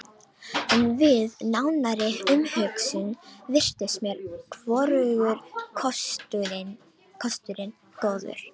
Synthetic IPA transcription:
ɛnvɪðnawnaɾɪʏmhœɥksʏnvɪr̥t̪ɪsmjɛɾ̥kʰvɔɾʏɣʏɾ̥ʰ | kʰɔst̪ʏɾɪn | t̪ɔːðʏ̰ɾ̥

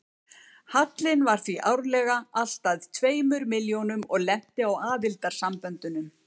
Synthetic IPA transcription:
hat̪lɪnvaɾ̥θviʔawɾlɛɣaʔal̥t̪aðt̪ʰveːjmʏɾmɪljonʏmɔɣlɛm̥t̪ɪawaːðɪlt̪aɾ̥sampœnt̪ʏnʏm

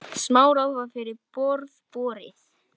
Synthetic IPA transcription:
smaːwɾawvaɾfɪɾɪɾpɔɾðpɔːɾɪ̰θ

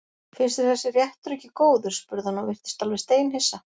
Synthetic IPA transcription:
fɪnst̪ɪθɛsːɪrjɛht̪ɾʏcːɪkoːwðʏ̥spʏɾðhanawvɪr̥t̪ɪ̥st̪alvɪst̪eːjnhesːa

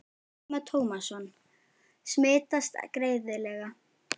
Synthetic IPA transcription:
mat̪ʰoːwmasɔn | smeːt̪ast̪kɾeːjðɪlɛɣa

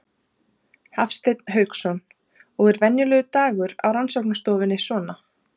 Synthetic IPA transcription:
hafst̪ejt̪n̥ɦœːɥksɔn | ɔɣɛɾvɛnjʏlœːɣʏt̪aːɣʏɾa̰wɾansɔwknast̪ɔːwvɪnːɪsɔːna

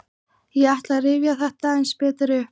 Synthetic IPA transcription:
jɛaht̪laðrɪːvjaθɛht̪aejnspɛːt̪ɪɾʏ

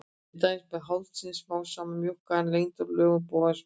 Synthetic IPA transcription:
t̪ajsmɛðɦawlt̪sinsfaːwsaːmamjɔhkaɛnlejnt̪ɔɾlœːvʏpoːwas

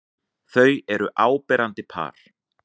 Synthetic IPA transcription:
θœɥɛɾʏʔaːwpɛːɾant̪ɪpʰa̰ːɾ̥

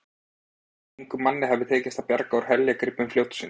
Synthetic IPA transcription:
ŋkʏmanːɪɦɛvðʏɪt̪ʰeːcɪst̪apjaɾkaɔɾ̥hɛljakɾɪpːʏmflowt̪sin

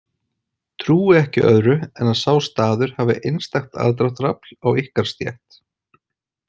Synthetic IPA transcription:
t̪ʰɾuːɪɛhcɪ̰ʔœ̰ðɾʏɛnaðsaːwst̪aːðʏɾ̥haːvɪ̰ʔejnst̪axt̪ʰa̰ðt̪̬ɾaht̪ɾapl̥awihkaɾ̥st̪jɛ̰ht̪

